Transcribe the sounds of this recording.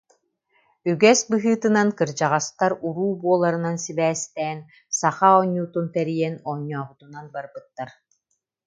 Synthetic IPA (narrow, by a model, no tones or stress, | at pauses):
yɡɛsbɯɦɯːt̪ɯnankɯɾd͡ʑaʁast̪aɾuɾuːbuɔlˠaɾɯnansibɛːst̪ɛːn | saχaɔɲːuːt̪unt̪ɛɾijɛnɔɲːɔːbut̪unanbaɾbɯt̪ːaɾ